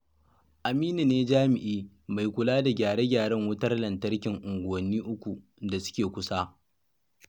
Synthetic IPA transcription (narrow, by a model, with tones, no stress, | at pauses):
ʔa˨miː˦ni˨neː˦d͡ʒaː˦mɪ˨ʔiː˦ | ma˨jkʷʊ˨laː˦da˨ɡʲaː˨ɽeː˦ɡʲaː˨ɽɛ˦ŋwʊ˦tɐ˦rlɐ˨ntɐ˦rkʲɪ˨ŋʔʊ˨ŋɡʷʊ˨wɐ˨nːiː˦ʔʊ˦kʷu˨ | da˨sʊ̥˦kʲeː˨kʷʊ˦saː˦